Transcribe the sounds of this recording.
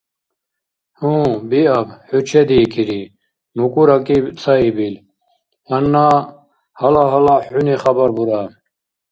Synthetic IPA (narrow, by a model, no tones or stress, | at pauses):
hũːbiɐbħut͡ɕʰed̪ikʰiɾi | nukuɾɐkit͡sʰaibil | hɐnːa | hɐlaɦɐlaħuniχɐbɐɾbuɾa